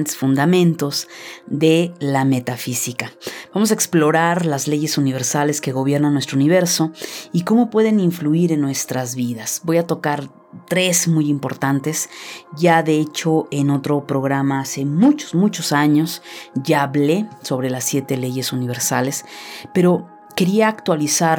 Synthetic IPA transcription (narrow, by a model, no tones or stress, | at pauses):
t̪esfund̪amẽ̞nt̪o̞zðe̞lame̞t̪afisikab̥amos̬aeksplo̞ɾaɾlazle̞ʝe̞suniβe̞ɾsale̞ske̞ɣo̞β̞je̞ɾnanwest̪ɾouniβ̞e̞ɾso̞iko̞mo̞pwe̞ðe̞niɱfluiɾe̞nːwe̞st̪ɾazβiðasbo̞jat̪o̞kaɾ | t̪ɾe̞zmujimpo̞ɾt̪ant̪e̞sʝaðeet͡ʃo̞e̞no̞t̪ɾo̞pɾo̞ɣ̞ɾamaase̞mut͡ʃo̥zmut͡ʃo̞saɲo̞sʝaːβle̞so̞β̞ɾe̞lasːje̞t̪e̞le̞ʝe̞suniβe̞ɾsa̰le̞spe̞ɾo̞ | ke̞ɾiaːkt̪walisaɾ